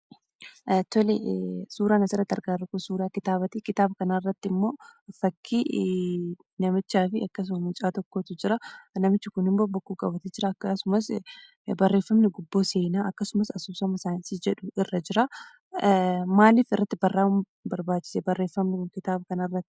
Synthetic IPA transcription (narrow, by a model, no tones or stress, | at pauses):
t̪ɔlesuːɾaːnɐsɪɾɐd̪ɐɾɡaːɾʊkʊsuːɾaːkɪt̪aːbɐt̪ikɪt̪aːbɐkɐnaɪrːɐt̪ːɪɪmːo̞ːfɐkːi | nɐmɪt͡ʃːaːfɪɐkːɐs̬ʊmɐmɪt͡ʃʼaːt̪ɔkːoːt̪ʊd͡ʒɪɾɐnɐmɪt͡ʃːʊkʊnɪmbobʊkːuːkʼɐbɐt̪ɛd͡ʒɪɾɐːkːɐsʊmɐs | bɐrːe̞ːfːɐmnɪɡʊbːoːseːnaːɐkːɐsʊmɐsɐsuːsɐmɪsaːnɪsɪd͡ʒɛᶑʊɪrːɐd͡ʒɪɾɐ | maːliːfɪrːɐt̪ːɪbɐrːaːʊm | bɐɾbaːt͡ʃːɪ̥sɛbɐrːe̞ːfɐmnɪkʊnkɪt̪aːbɐkɐnɐrːɐt̪ːɪ̥